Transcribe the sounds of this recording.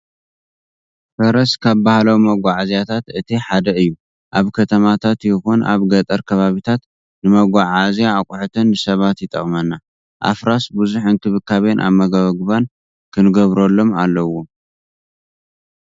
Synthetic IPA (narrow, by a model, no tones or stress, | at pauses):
fɐɾɐskʰaβbahlɐwmɐɡʷaʕazjat̪ʰat̪ɨt̪ʰiħad̪ɐɨjːu | ʔaβkʰɐt̪ʰɐmat̪ʰat̪jɪxunʔa̰βɡɐt̪ʼɐɾkʰɐβaβit̪ʰat̪ | nɨmɐɡʷaʕazjaːkʼʊħt̪ʰɐnːɨsɐβat̪jɪt̪ʼːɐ̰χʼmɐnːa | ʔa̰fɾasbuzuħɨnkʰɨβɨkʰːaβenʔa̰βmɐɡɐβɐɡɨβan | kʰɨnɨɡɐβɾolːo̞malːɐwo